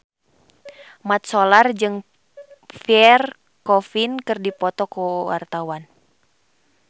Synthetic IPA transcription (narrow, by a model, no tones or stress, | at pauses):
mat̪̚solard͡ʒɨŋ | fiɛr | kɔfinkɨrdipɔt̪ɔkuwa̰rt̪awan